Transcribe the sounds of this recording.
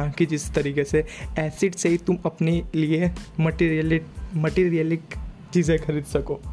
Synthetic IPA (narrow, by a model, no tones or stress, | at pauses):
ãkid͡ʒɪst̪ɐɾiːkeseɛːsɪɖseɦit̪ʊmɐpneliemɐʈiːɾijəlɪk̚mɐʈiːɾijəlɪkt͡ʃiːzẽkʰɐɾiːd̪sɐkoː